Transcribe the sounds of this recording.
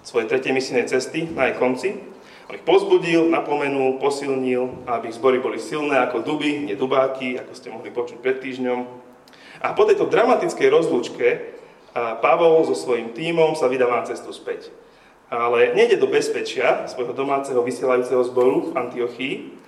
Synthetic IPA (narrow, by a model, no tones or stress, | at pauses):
sʋɔjɛt̪ɾɛcɛjmisilnɛjt͡sɛst̪inaɛkɔnt͡si | ɔ̰nixpɔzbuɟilnapɔmɛnulpɔsilɲilabiiɣzbɔɾibɔlisilnɛːakɔd̪ubiɲɛd̪ubaːkia̰kɔscɛmɔɦlipɔt͡ʃuc̚pɾɛt̪ːiːʒɲɔm | ʔapɔt̪ɛjt̪ɔd̪ɾamat̪it͡skɛjɾɔzluːt͡ʃkɛ | paʋɔlzɔsʋɔjimt̪iːmɔmsaʋid̪aːʋanat͡sɛst̪uspɛc | alɛɲɛɟɛd̪ɔbɛspɛt͡ʃɪasʋɔjɦɔd̪ɔmaːt͡sɛɦɔʋisɪɛlajuːt͡sɛɦɔzbɔɾuvant̪iɔxiː